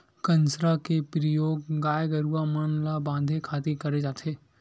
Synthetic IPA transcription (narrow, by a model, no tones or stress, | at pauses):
kə̃nsɾakepɾijoːɡɡaːjɡəɾuamənlabãːnd̪ʱekʰaːt̪ikɐɾed͡ʒaːt̪ʰeː